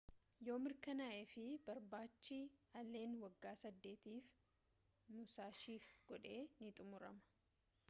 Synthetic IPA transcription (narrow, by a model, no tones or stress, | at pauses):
jo̞ːmɪɾkɐnaːʔefɪbɐɾbaːt͡ʃːiɐle̞ːnwɐɡːaːsɐd̪ːe̞ːt̪iːf | nʊsaːʃiːfɡ̥ɔᶑe̞ːnɪt̪ʼʊmʊɾɐ̰mɐ̥